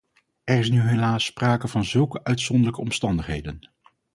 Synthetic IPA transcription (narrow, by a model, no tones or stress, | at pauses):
ɛrɪsnyɦelaːsːpraːkəvɑnzɵlˠkəʔœɥtsɔndərləkəɔmstɑndəχɦejdən